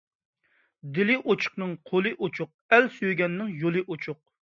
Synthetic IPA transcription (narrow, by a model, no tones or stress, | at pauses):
d̪ɪlɪʔot͡ʃʰʊ̥χnɨŋqʰolˠɨʔot͡ʃʰʊq̚ɛlsyjɡʲɛnːɪŋjolˠɨʔot͡ʃʰʊq̚